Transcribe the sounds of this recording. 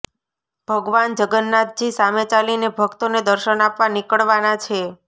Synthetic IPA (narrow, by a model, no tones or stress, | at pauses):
b̥ʱəɡʋand͡ʒəɡənːat̪̚d͡ʒisamet͡ʃalinebʱəkt̪oned̪əɾʃənapʋanikəɭʋanat͡ʃʰe